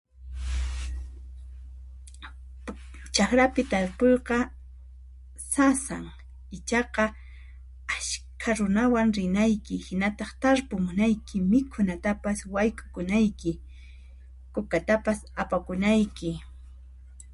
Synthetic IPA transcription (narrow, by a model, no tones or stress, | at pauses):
t͡ʃaxɾapɪt̪aɾpojqɑ | sasa̰ŋ | ɪt͡ʃɑqɑ | aʃkʰaɾʊnawaŋɾɪnajkɪhɪnat̪ɑχt̪aɾpʊmʊnajkʰɪmɪkʰʊnat̪apaswajkʼʊ̥kʊnajkɪ | kʊkat̪apasapakʊnajkɪ